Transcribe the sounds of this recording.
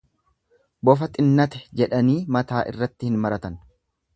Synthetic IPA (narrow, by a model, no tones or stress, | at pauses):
bɔfɐt̪ʼɪnːɐt̪ɛ̥d͡ʒɛᶑɐniːmɐt̪aːʔɪ̰rːɐt̪ːɪhɪnmɐɾɐt̪ɐn